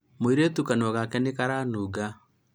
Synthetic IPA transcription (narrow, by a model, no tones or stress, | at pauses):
moeɾetukanɔɣakɛnekaɾaːnuːɡa